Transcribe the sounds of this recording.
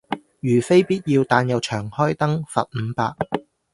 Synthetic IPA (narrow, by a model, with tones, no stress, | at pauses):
jyː˨˩fe˥jpiː˥t̚jiː˧wt̪aː˧njɐ˨wt͡ʃʰœː˨˩ŋhɔː˥jt̪ɐ˥ŋfɐ̰˨t̚m̩˨˧pa̰ː˧k̚